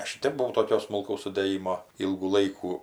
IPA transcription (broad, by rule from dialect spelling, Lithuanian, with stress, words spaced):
ˈɐʃ ɪ ˈtʲɛp bʊˈʋɐʊ toːˈkʲoː smʊlˠˈkɐʊs sʊdʲeːˈjɪmoː ˈiːlˠɡuː ˈlˠɐɪkuː